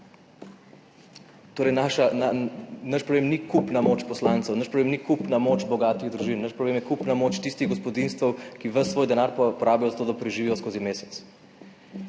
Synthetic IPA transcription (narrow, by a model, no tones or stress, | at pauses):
t̪oːɾɛjnaʃananɐʃpɾɔblemnikupnamoːt͡ʃpɔslaːnt̪sɛwnəʃpɾɔblemnikupnamoːt͡ʃbɔɡaːt̪iɣd̪ɾuʒinːəʃpɾɔblemjɛkupnamoːt͡ʃt̪ist̪iɣɡɔspɔd̪inst̪ʋəwkiʋəsːʋoːjd̪ɛnaːɾpɔɾaːbijɔzat̪oːd̪apɾɛʒiʋiːjɔskoːzimeːsɛt̪s